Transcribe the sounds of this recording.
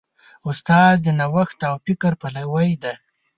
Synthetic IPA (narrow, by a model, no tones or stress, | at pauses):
ʊst̪ɑːzd̪ənawaxt̪awpɪkaɾpalawajd̪a